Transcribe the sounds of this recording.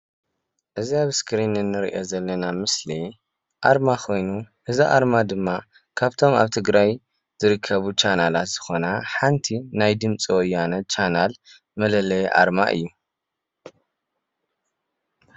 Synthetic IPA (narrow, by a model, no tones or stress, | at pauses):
ʔɨziaβɨskʰɨɾinɨnːɨɾḭʔo̞zɐlːɐnamɨsli | ʔaɾmakʰo̞jnuʔɨziʔa̰ɾmad̪ɨmːa | kʰaβt̪ʰo̞ma̰βt̪ʰɨɡɾaj | z̥ɨɾɨkʰːɐβut͡ʃanalat̪z̥ɨ̥xo̞naħant̪ʰinajd̪ɨmt͡sʼiwɔjanɐt͡ʃanal | mɐlɐlɐjʔa̰ɾma̰ʔɨ̰jːu